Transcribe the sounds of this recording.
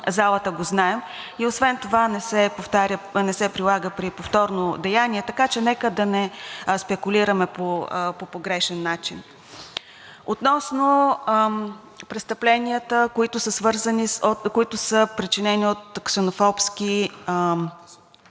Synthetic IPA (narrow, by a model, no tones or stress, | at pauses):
zalˠət̪əɡoznaɛm | iosvɛnt̪ovanɛsɛpoft̪aɾʲənɛsɛpɾilˠaɡəpɾipoft̪ɔɾnod̪ɛjaniɛt̪ɐkat͡ʃɛnɛkəd̪ɐnɛspɛkuliɾəmɛpopopoɡɾɛʃɛnːat͡ʃin | ot̪nɔsno | pɾɛtst̪əplɛniət̪əkoit̪ʊsəsvɤɾzənikoit̪ʊsəpɾit͡ʃinɛniot̪̚ksɛnofɔpsk̟i